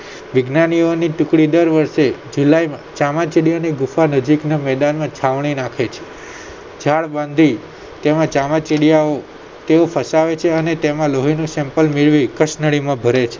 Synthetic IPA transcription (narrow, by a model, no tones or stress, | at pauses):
ʋɪɡnanioniʈʊkɽid̪əɾʋəɾʃed͡ʒulajmãt͡ʃamat͡ʃeɽijaneɡufanəd͡ʒiknamɛd̪anmãt͡ʃʰaʋɳ̃inãkʰet͡ʃʰe̥ | d͡ʒʱaɭbãnd̪ʱi | t̪emãt͡ʃamat͡ʃeɽijao | t̪eofʰəsaʋet͡ʃʰeənet̪emãloɦinũsɛ̃mpəlmiɭʋikəʃnəɭimãbʱəɾet͡ʃʰe̥